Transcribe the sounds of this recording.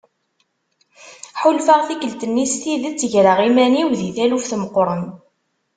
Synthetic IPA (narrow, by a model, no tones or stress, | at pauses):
ħulfaʁθikəlt̪ənːisθiðət͡sːəʝɾəʁimæniwðiθælufθməqɾˤən